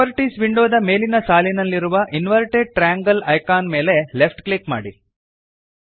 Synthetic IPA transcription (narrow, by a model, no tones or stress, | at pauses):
ɐɾʈiːsʋiɳɖoːd̪ɐme̞ːlinɐsaːlinɐlːiɾuʋɐʔinʋɐɾʈeɖ̚ʈɾaːŋɡɐlɐjkaːnme̞ːle̞lepʈklikma̰ːɽi